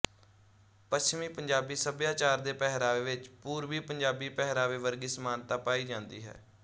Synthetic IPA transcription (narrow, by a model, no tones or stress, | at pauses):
pəst͡ʃmiːpəɲd͡ʒaːbiːsəbjaːt͡ʃaːɾd̪eːpɛɦɾaːʋeːʋɪt͡ʃpuːɾʋiːpəɲd͡ʒaːbiːpɛɦɾaːʋeːʋəɾɡiːsmaːnt̪aːpaːiːd͡ʒãːnd̪iːɦɛ̰ː